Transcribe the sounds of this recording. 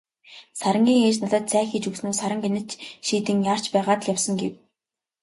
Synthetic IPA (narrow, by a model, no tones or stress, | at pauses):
saɾə̆ŋɡʲiːŋeːt͡ɕnaɮt̪ə̆t̪sæːxit͡ɕuwsnoːsaɾə̆ŋɡenɘ̆t͡ɕʃiːt̪ɘ̆ŋjar̥t͡ɕpæːʁaːt̪ə̆ɮjawsə̆ŋɡḛw